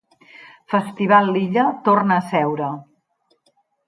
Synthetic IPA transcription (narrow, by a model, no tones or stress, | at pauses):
fəst̪iβ̞alˠːiʎət̪ornəːsɛwɾə